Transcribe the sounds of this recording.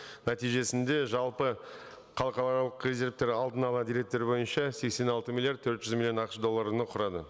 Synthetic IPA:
næt̪ijʒe̞sɪnd̪e̞ʒɑlˠpə | qʰɑlˠəqɑlˠɑɾlˠəqrʲezʲe̞ɾvt̪e̞ɾɑlˠd̪ənɑlˠɑd̪iɾe̞k̚t̪e̞ɾbo̞jənʃɑse̞kse̞nɑlˠt̪əmʲilʲˠjardt̪̚tʰːɵɾt̪ʒ̥ʏzmilʲjo̞nɑqə̥ʃd̪o̞lˠːaɾnəqʰʊɾɑd̪ə̰

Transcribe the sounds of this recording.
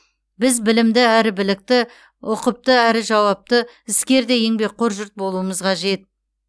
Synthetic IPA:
bɪzbɪlɪmd̪ɪæɾɪbɪlɪk̚t̪ɪ | oqəp̚t̪əæɾɪʒɑwɑp̚t̪ə | ɪskʲe̞ɾd̪ejeŋbe̞qʰoɾʒʊɾt̪̚bo̞lˠuəməzqʰɑʒe̞t̪̚

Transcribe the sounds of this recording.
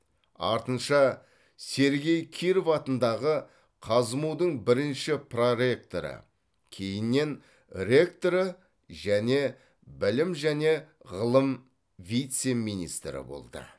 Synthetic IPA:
ɑ̰ɾt̪ənʃɑ | se̞ɾɡʲe̞jkʲʰijɾovfɑt̪ənd̪ɑʁə | qʰɑzəmuwd̪əɴbɪɾɪnʃɪproɾe̞kt̪o̞̰ɾə̰ | kʲʰe̞jɪnːe̞n | rʲe̞kt̪o̞ɾə | ʒæne̞ | bɪlɪmʒæne̞ | ʁəlˠəm | vʲijt̪se̞mijnḭst̪ɾɪ̰bo̞̰lˠd̪ə̰

